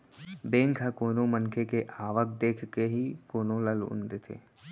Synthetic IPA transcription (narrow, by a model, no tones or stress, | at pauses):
bẽːŋkʰɦəkoːnõmənkʰekeʔaːʋək̚d̪eːkʰkeɦikoːnõləlʊ̰̃nd̪et̪ʰḛː